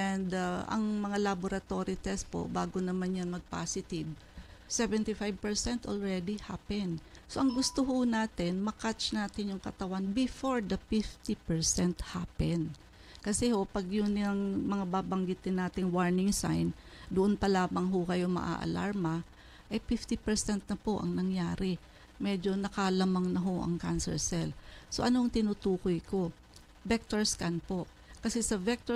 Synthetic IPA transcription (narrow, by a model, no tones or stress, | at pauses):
ʔɛnd̪aʔɐ̰ŋmɐŋalaboɾɐt̪o̞ɾɪt̪ɛspo̰ʔbaːɡonɐmanjanmɐɡ̚pa̰ːsɪt̪ɪb | sɛvɛnt̪ifajv̚pɛɹsɛnt̪ʔolɹɛd̪ihapɛn | soʔɐŋɡʊst̪oɦʊnaːt̪ɪnmɐkat͡ʃnaːt̪ɪnjʊŋkɐt̪ɐwanbɪfoɹd̪ɐfift̪ipɛɹsɛnt̪hapɛn | kɐsɛho̞pɐɡjʊnɪɐŋmɐŋabaːbɐŋɡɪt̪ɪnːaːt̪ɪŋwaɹnɪŋsa̰jnd̪ʊʔonpɐlaːmɐŋɦokɐjomɐ̰ʔa̰ʔɐ̰la̰ɹmɐ | ʔɐjfift̪ɪpɛɹsɛnt̪̚nɐpo̞ʔɐ̰ŋnɐŋjaːɾɪ | mɛd͡ʒo̞nɐkalɐmaŋnɐɦo̞ʔɐ̰ŋkansɛɹsɛlso̞ʔɐnoɐŋt̪ɪnut̪uːkojko̞ | vɛk̚t̪oɹskanpo̞ | kɐsɛsɐvɛk̚t̪o